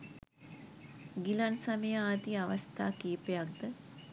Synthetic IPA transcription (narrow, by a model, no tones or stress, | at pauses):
ɡilansaməjəaːt̪iaʋast̪ʰaːkiːpejak̚d̪ə